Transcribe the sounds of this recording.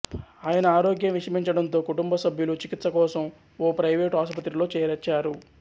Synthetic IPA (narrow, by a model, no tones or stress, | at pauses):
aːjɐnɐaːɾoːɡjɐmiʂɐmiɲt͡ʃɐɽɐnt̪o̞ːkuʈumbɐsɐbʱjulut͡ʃikit̪sɐkɔːsɐm | oːpɾɐjʋeːʈaːspɐt̪ɾilo̞ːt͡ʃɛːɾɐt͡ʃːaːɾu